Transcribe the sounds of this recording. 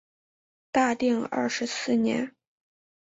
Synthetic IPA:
t̪a˥˧t̪i˥˩ŋɐ̰˥˩ʂɻ̩˧˥sɹ̩˥˩njɛ̰˧˥n

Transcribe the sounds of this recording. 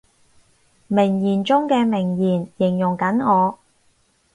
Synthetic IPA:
mɪ˨˩ŋjiː˨˩nt͡sʊ˥ŋkɛː˧mɪ˨˩ŋjiː˨˩njɪ˨˩ŋjʊ˨˩ŋkɐ˨˥nŋɔː˨˧

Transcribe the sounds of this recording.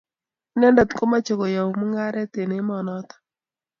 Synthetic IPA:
nɛ˦nda˨t̪ko˦ma˦t͡ʃo˨ko˨ja˨wu˨mu˦ŋa˦ɾɛ˦te˨ne˨˦mɔ˨nɔ˦t̪ɔ̥˦

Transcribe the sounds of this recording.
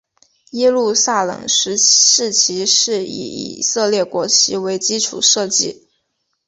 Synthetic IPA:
jɛ˥lu˥˧sa˥˩lɤ̰˨˩ŋʂɻ̩˧˥ʂɻ̩˥˩t͡ɕʰi˧˥ʂɻ̩˥˩ḭ˨˩ḭ˨˩sɤ˥˧ljɛ˥˩kwɔ˧˥t͡ɕʰi˧˥we˧˥ɪt͡ɕi˥ʈ͡ʂʰṵ˨˩ʂɤ˥˧t͡ɕi˥˩

